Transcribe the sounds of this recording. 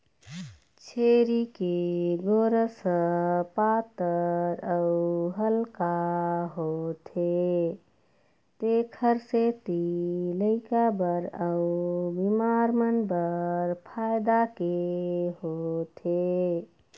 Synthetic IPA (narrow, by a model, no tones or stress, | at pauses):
t͡ʃʰeɾikeɡoɾəsəpat̪əɾəuɦəlkaɦot̪ʰe | t̪ekʰəɾset̪iləɪkabəɾaubimaɾmənbəɾpʰajd̪akeɦot̪ʰe